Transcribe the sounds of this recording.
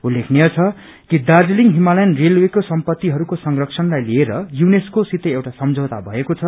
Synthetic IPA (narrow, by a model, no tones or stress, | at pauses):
ulːekʰnejʌt͡sʰʌ | kid̪ard͡zliŋɦimalajnrelwekosʌmpʌt̪ːiɦʌɾukosʌŋrʌksʰʌnlajlieɾʌjuneskosit̪ʌewʈasʌmd͡zʱʌwt̪a̰bʱʌekot͡sʰʌ